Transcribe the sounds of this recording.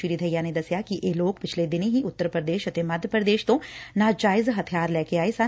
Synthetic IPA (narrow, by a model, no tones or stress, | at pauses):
iɾid̪ʱɐjːaned̪ɐsjakiʔeːloːkpɪt͡ʃʰled̪ɪnɦiʊt̪ːəɾpɾəd̪eːʃɐt̪emɐd̪ʱjəpɾəd̪eːʃt̪õnad͡ʒaːɪzɦɐt̪ʰijaːɾlɛːkeaːisa